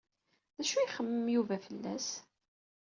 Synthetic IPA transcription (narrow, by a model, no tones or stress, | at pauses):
ðæʃuiχəmːəmjuvæfəlːæ̰s